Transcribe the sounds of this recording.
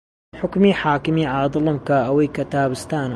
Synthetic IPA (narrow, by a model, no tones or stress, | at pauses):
ħʊkmiħaːkɪmiʕaːd̪ɨlɨmkaːʔawikat̪aːbɪst̪aːn